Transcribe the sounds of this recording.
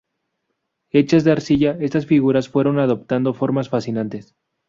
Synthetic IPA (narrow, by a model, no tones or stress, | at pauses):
e̞t͡ʃazðeaɾsiʝae̞st̪asfiɣuɾasfwe̞ɾo̞naðo̞p̚t̪and̪o̞fo̞ɾmasfasinant̪e̞s